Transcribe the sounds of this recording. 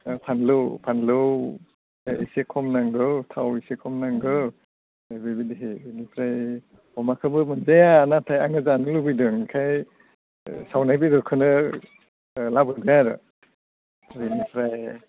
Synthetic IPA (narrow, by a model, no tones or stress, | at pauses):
pʰanlɯwpʰanlɯw | eʔḭsekʰɔmnaŋɡɯwtʰawisekʰɔmnaŋɡɯ | abebidiɦebinipʰɾaj | ɔmakʰɯbɯmɯnzajanatʰajaŋɯzanɯlɯbijdɯŋkʰaj | sawnajbiɾɯkʰɯnɯ | labɯdaaɾɯ̰ | ɾinipʰɾaj